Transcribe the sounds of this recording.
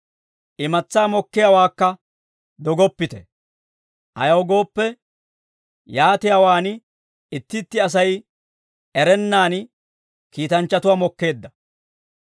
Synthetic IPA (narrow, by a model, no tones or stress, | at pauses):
ʔɪmɐt͡sːaːmɔkːɪjawaːkːɐ | d̪ɔɡɔpːɪt̪ɛ | ʔɐ̰jɐwɡo̞ːpːɛ | jaːt̪ɪjaːwaːn | ɪt̪ːɪt̪ːɪɐs̬ɐj | ʔɛɾɛnːaːn | kiːt̪ɐnt͡ʃːɐt̪ʊwaːmɔkːe̞ːd̪ːɐ